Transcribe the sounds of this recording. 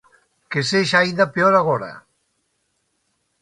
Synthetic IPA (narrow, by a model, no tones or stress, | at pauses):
keseʃajðapeoɾaɣɔɾa̰